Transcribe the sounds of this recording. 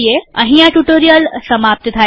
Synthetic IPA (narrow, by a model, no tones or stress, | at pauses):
jeə̰̃ɦĩjãʈuʈoɾijəlsəmap̚t̪ət̪ʰa